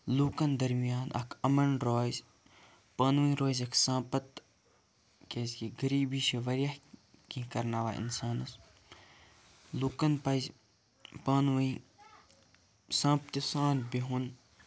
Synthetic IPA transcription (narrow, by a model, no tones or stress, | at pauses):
luːkɐnd̪ɐɾmijaːnʔɐkʰɐmɐnɾoːzʲ | paːnʋĩɾoːzʲɐkʰsãːpɐt̪ | keːzʲkiɡɐɾiːbiːʃeʋɐɾɐhkĩkɐɾnaːʋaːḭnsaːnɐs | luːkɐnpɐz | paːnʋɐĩ | sãːpt̪isãːnbiɦun